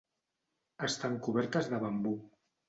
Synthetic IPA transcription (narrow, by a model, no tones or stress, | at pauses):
əst̪aŋkuβ̞ɛɾt̪əzðəβambu